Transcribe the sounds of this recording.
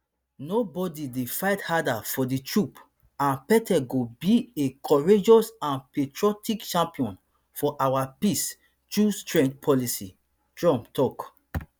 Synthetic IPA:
nobɔdidefaɪthadafɔditɹup | ãnpɛtʰɛɡobiekʰɔɹed͡ʒɔsãnpetɹɔtikt͡ʃãmpiɔ̃n | fɔʔawapis | tɹustɹɛ̃nd͡ʒpʰɔlisḭ | tɹɔ̃mptɔk

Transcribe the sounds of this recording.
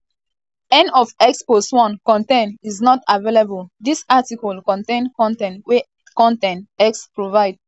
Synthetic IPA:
ɛ̃nɔfɛkspostwɔ̃nkɔ̃ntẽniznɔtavelabəldisatikɔlkɔ̃ntẽnkɔ̃ntɛ̃ntwe | kɔ̃ntɛ̃ntɛkspɹovaɪd

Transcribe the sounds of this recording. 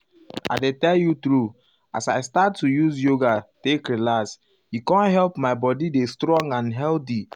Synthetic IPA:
a̰ɪdetɛljut̪ɹu | asaɪstatːujuzjoɡatekɹelas | hikɔ̃nɦɛlpmaɪbɔdidestɾɔ̃ŋɡãnɦɛlti

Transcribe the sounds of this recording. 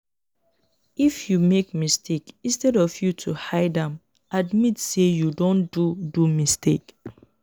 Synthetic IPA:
ifjumek̚mistʰekĩnstɛdɔfjutʰuhaɪdãm | admitsejudõndudumistek

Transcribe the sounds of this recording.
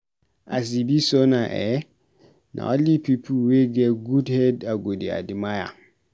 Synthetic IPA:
ʔa̰s̬ibisɔnaʔɛ | nʔa̰ɔlipipʰuweɡɛɡudhɛdaɡodia̰dimaja̰

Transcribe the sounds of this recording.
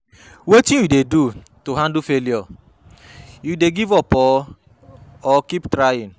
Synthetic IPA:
wetĩjudedu | toɦãndufeliɔ | judeɡivɔpɔ | ɔkiptɾajĩn

